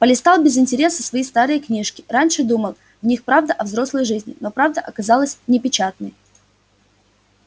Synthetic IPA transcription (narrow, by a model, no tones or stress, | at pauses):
pəlʲɪst̪alˠbʲɪzɪnʲtʲɪɾʲe̞səsvɐjist̪aɾɨjəknʲiʂkʲɪranʲʂɨd̪uməlˠ | vnʲixpɾavd̪əʔɐvzɾo̞slˠəjʐɨzʲnʲɪ̰no̞pɾavd̪əʔɐkɐzɑlˠəsʲnʲɪpʲɪt͡ɕat̪̚nəj